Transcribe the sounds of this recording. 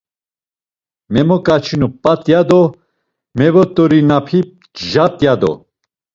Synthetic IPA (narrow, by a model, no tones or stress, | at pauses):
mɛmɔkʼat͡ʃʰinupʼat̪ʼjad̪ɔ | mɛvɔt̪ʼɔɾinapʰip̚ | ʒat̪ʼjad̪ɔ̰